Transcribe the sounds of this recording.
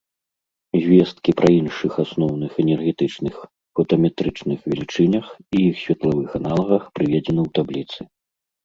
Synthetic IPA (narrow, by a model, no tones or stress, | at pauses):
zʲvʲɛst̪kʲipɾɐinʂɨxasnɔwnɨxɛnʲɛrɣʲɛt̪ɨt͡ʂnɨx | fɐt̪ɐmʲɛt̪ɾɨt͡ʂnɨxvʲɛlʲit͡ʂɨnʲɐxiixsʲvʲɛt̪lˠavɨxanalˠɐɣɐxpɾɨvʲɛd͡zʲɛnɨwt̪ablʲit̪sɨ